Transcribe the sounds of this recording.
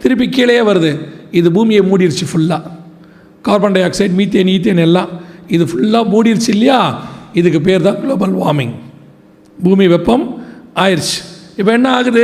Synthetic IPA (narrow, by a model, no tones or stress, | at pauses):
t̪ɪɾɯp̬ːikːiːlɐjeːʋɐɾɐðɯɪðɯbuːmɪjɐmuːɽɪɪɾt͡ʃːɯfʊɭːaː | kaːɾpɐɳɖɐjaːksɐɪɖmiːt̪̬ːjeniːt̪̬ːenɛlːãːɪðɯfʊɭːaːmuːɽɪjɪɾt͡ʃːɪlːɐjaːɪðɯk̬ːɯp̬eːɾt̪ãːɡlɭoːbɐlʋaːɾmɪŋ | buːmiʋɛpːɐmaːjɪɾt͡ʃːɯ̥ɪpːoɛnːɐaːɣɯɾɐðɯ